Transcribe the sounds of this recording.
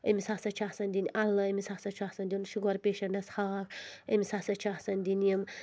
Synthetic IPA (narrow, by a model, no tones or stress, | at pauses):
ɐmisaːsɐt͡ʃʰahsɐnd̪inʲʔɐlːɐɐmisasɐt͡ʃʰahsɐnd̪ʲiunʃuɡɐɾpeːʃɐɳɖɐshaːkəmʲisaːsɐt͡ʃʰahsɐnd̪inɐm